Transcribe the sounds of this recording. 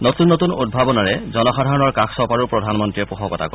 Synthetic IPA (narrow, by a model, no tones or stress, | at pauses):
notunːotunud̚bʱabɔnaɹɛzɔnɔxadʱaɹɔnɔɹkaksɔpaɹupɹɔdʱanmɔntɹiɛpuxɔkɔtʰa̰kɔ